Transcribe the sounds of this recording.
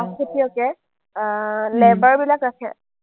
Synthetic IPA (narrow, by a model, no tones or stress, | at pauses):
askʰitiokɛ | lɛbaɹbilakɹakʰɛ̰